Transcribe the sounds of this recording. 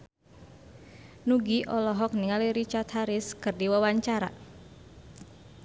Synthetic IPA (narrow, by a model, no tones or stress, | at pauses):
nuɡiʔɔlɔɦɔk̚niŋaliɾit͡ʃart̪haɾɪskɨrdiwawaɲt͡ʃaɾa̰